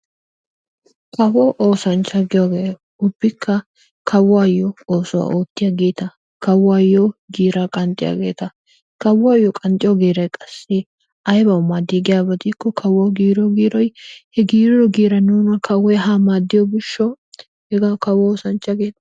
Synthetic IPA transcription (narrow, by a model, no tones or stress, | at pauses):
kɐwɔʔoːsɐnt͡ʃːɐɡɪjoɡeː | ʊbːɪkʰːɐ | kʰɐwaːjːɔoːsʊwa̰ːʔoːt̪ːɪjaɡeːt̪ɐ | kɐwːaːjːoɡiːɾakʼɐnt̪ʼɪja̰ːɡeːt̪ɐ | kɐwaːjːɔkʼɐnt̪ʼɪjɔɡiːɾɐjkʼɐsːe | ʔɐjbɐwmad̪iɡɪjaːbɐd̪ikːɔkʰɐwɔɡiːɾɔɡiːɾɔjhɛɡiːɾɪɾɔɡiːɾɐnuːnɐkʰɐwːɔjɦaːmaːd̪ːɪjɔbɪʃːɔ | hɛɡɐkɐwɔoːsɐnt͡ʃːɐɡeːt̪ɐ